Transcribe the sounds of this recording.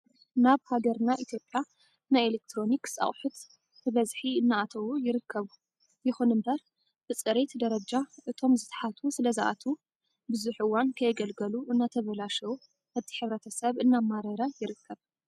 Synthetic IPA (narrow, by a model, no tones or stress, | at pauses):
naβhaɡɐɾnaʔit̪ʰjo̞pʼja | najelek̚t̪ʰɾo̞niksʼa̰χʼħut̪ | ɨβɐzħiɨnːaʔat̪ʰɐwujɪɾɨkʰːɐβu | jɪxunɨmbɐɾ | b̥ɨt͡sʼɨɾet̪d̪ɐɾɐd͡ʒaʔɨt̪ʰo̞mzɨt̪ʰħat̪ʰusɨlɐzaʔa̰t̪ʰu | bɨzuħʔɨwːankʰɐjɡɐlɡɐluʔɨnːat̪ʰɐβɐlaʃɐwu | at̪ʰi̥ħɨβɾɐt̪ʰɐsɐβɨnːamaɾɐɾajɪɾɨkʰːɐβ